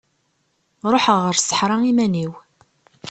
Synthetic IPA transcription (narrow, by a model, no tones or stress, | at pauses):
ɾˤoħəʁːəɾsə̥ħɾˤɑimæniw